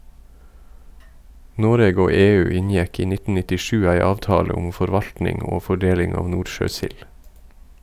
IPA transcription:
ˈnoːɾeːɡ ˈoː ˈeːˌʉː ˈɪnjɛk ˈiː ˈnɪtn̩ nɪtɪˈʃʉː ˈæɪ ˈɑːʋtɑːlə ˈʊm fɔɾˈʋɑʎtnɪŋ ˈoː fɔˈɖeːlɪŋ ˈɑːʋ ˈnuːʃøːˌsɪl

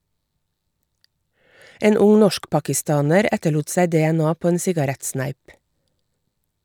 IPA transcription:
ˈeːn ˈʊŋ ˈnɔʃkpɑkɪˌstɑːnəɾ ˈɛtəˌɭuːt ˈsæɪ ˌdɛæˈnɑː ˈpoː ˈeːn ˈsɪɡɑɾɛtˌsnæɪp

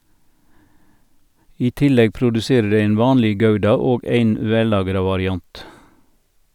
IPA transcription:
ˈiː ˈtɪˌlɛɡ pɾʊdʉˈseːɾə ˈdæɪ ˈæɪn ˈʋɑːnlɛ ˈɡɑʉdɑ ˈoːɡ ˈæɪn ˈʋɛˌlɑːɡɾɑ ʋɑɾɪˈɑnt

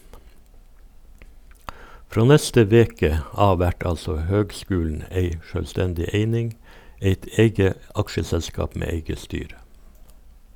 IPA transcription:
ˈfɾoː ˈnɛstə ˈʋeːkə ˈɑː ˈʋæʈ ˈɑlsɔ ˈhøːɡˌskʉːln̩ ˈeɪ ʃøːlˈstɛndɪ ˈeɪnɪŋ ˈeɪt ˈeɪɡə ˈɑkʃəˌsɛlskɑːp ˈmeː ˈeɪɡə ˈstyːɾə

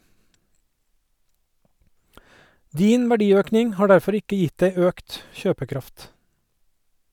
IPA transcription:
ˈdiːn ʋæˈɖiːˌøːknɪŋ ˈhɑː ˈɖæɾfɔɾ ˈɪkə ˈjɪtd ˈæɪ ˈøːkt ˈçøːpəˌkɾɑft

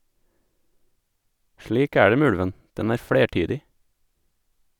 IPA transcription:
ˈʃliːk ˈæː ˈɖeː ˈmeː ˈʉɽʋən ˈdɛn ˈæːɾ ˈfɽeːˌʈyːdɪ

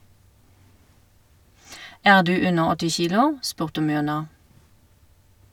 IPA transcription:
ˈæːʁ ˈdʉː ˈʉnəʁ ˈɔtɪ ˈçiːlʊ ˈspʉʁtə ˈmʏʁnɑ

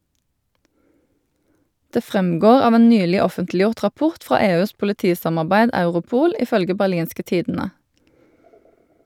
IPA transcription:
ˈdeː ˈfʁɛmˌɡoːʁ ˈɑːʋ ˈeːn ˈnyːlɪ ˈɔfəntlˌjʊʁt ʁɑˈpʊʁt ˈfʁɑː ˈeːˌʉːs pʊləˈtiːsɑmɑʁˌbæɪd ˈɑʉʁʊˌpuːl ɪˈfœlɡə bæʁˈliːnskə ˈtiːdn̩ə

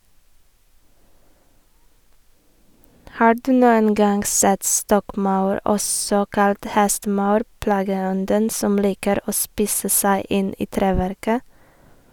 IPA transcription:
ˈhɑː ˈɖʉː ˈnuːən ˈɡɑŋɡ ˈsɛt ˈstɔkˌmɑʉɹ ˈʔɔsɔ ˈkɑlt ˈhɛstəˌmɑʉɾ ˈplɑːɡəˌɔndən ˈsɔm ˈliːkəɾ ˈoː ˈspiːsə ˈsæɪ ˈɪn ˈiː ˈtɾeːʋæɾkə

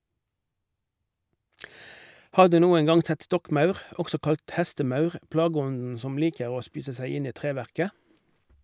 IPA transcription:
ˈhɑːʁ ˈdʉː ˈnuːəŋ ˈɡɑŋ ˈsɛt ˈstɔkˌmɑʉʁ ˈɔksɔ ˈkɑlt ˈhɛstəˌmɑʉʁ ˈplɑːˌɡɔndn̩ ˈsɔm ˈliːkəʁ ˈoː ˈspiːsə ˈsæɪ ˈɪn ˈiː ˈtʁeːʋæʁkə

